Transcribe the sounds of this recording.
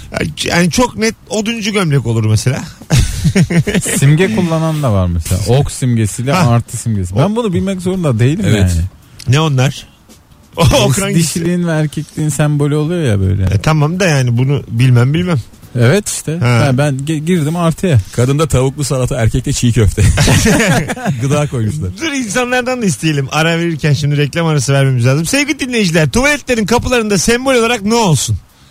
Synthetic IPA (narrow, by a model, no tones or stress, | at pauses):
a̰ja̰ːnit͡ʃʰoknɛt̪̚od̪und͡ʒuɟømlʲɛko̞lˠuɾmɛselʲaː | imɟɛkʰulˠːanand̪avaɾmɛselʲa̰oksimɟesilʲɛaɾt̪ʰɯsimɟes̬ibænbunubilʲmɛc̬zo̞ɾund̪ad̪e̞jilʲimjɛaːnɪ | nɛo̞nlˠaɾ̥ | okɾand̪iʃilʲiːinvɛæɾcʰɛclʲiːnsæmbo̞lʲyo̞lˠujo̞ja̰bø̞̰jlʲɛ̰t̪ʰamamd̪ajaːnibunubilʲmæmbilʲmæm | ɛvɛt̪i̥ʃt̪ʰɛhɛæbænɟiɾd̪imaɾt̪ʰajakʰad̪ɯnd̪at̪ʰaβuklˠusalˠat̪ʰɯæɾcʰɛc̚lʲɛt͡ʃʰijicøft̪ʰɛ | ɡɯd̪aːko̞jmuʃlˠaɾd̪ɯɾins̬anlˠaɾd̪and̪aist̪ʰeje̞lʲimʔaɾave̞ɾiɾcʰænʃimd̪iɾɛclʲamaɾasɯvæɾme̞mizlʲaːzɯmsevɡilʲid̪inːʲe̞jid͡ʒilʲæɾt̪ʰuvalʲɛt̪lʲe̞ɾinkʰapɯlˠaɾɯnd̪asɛmbolʲo̞lˠaɾak̚nɛo̞lˠsun